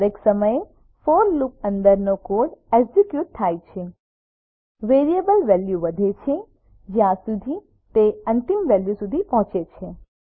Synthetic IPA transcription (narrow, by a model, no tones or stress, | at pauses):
ɾeksəməje | foɾluk̚ə̃nd̪əɾnokoɖɛɡzikjuʈ̚t̪ʰːajt͡ʃʰe | ʋeɾiebəlʋɛljuʋəd̪ʱet͡ʃʰe | d͡ʒjãsud̪ʱi | t̪eənt̪imʋɛljusud̪ʱipɔɦʊ̃t͡ʃet͡ʃʰe